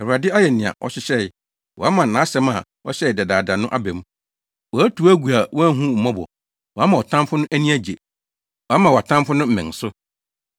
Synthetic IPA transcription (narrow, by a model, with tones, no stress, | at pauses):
ɛ˨ɾa˨dɪ˦a˦jɛ˨nɪ̃˨a̰˨ʔɔ̰˨ɕɪ˦ɕɛ˦ɪ˨ | wɔ˨a˦mã˨n̩˨nã˨˦sɛ˦ma̰˨ | ɔ˦ɕɛ˦ɪ˨dɛ˨daː˨da˨nʊ̃˦ʔa˦bɛ˨m˦ | wɔ˨æ˦tʰu˨˦æ˦ɡu˨a˨wɔ˦æ˦ɦũ˦m̩˨mɔ̃˦bɔ̰˨ | wɔ˨a˦mã˨ɔ˨tʰã˦mfʊ˦nʊ̃˦ʔæ˦nĩ˦æ˦d͡ʑe˨ | wɔ˨a˦mã˨wa˨tʰã˦mfʊ˦nʊ̃˦m̩˨mɪ̃˨ŋ˨sʊ˦